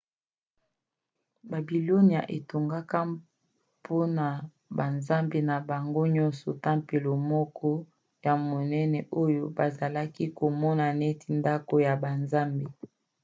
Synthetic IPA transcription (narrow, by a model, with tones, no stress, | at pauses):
ba˨bi˨lo˦ni˨a̰˨ʔe˨to˨ŋɡa˦ka˦ | pʰo˦na˨ | ba˨nza˦mbe˨na˨ba˨ŋɡo˦ɲɔ˦nsɔ˨ta˦mpe˨lo˨mɔ˦kʰɔ˦ | ja˨mo˨nɛ˦nɛ˨ʔo˦jo˦ba˨za˨la˦ki˦ko˨mɔ˦na˨ne˦ti˨nda˦ko˨ja˨ba˨nza˦mbe˨